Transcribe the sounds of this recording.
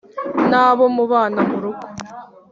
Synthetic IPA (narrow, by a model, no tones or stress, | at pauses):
naːβomuβaːnamuɾuɡo̥